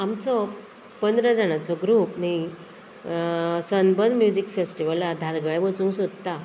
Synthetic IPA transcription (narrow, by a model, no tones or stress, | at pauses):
amt͡sɔ | pənd̪ɾad͡zaɽ̃at͡sɔɡɾupni | sənbənd̪mjud͡ʑikfesʈiʋəlːad̪ʱaɾɡaɭʋət͡sũŋksod̪t̪a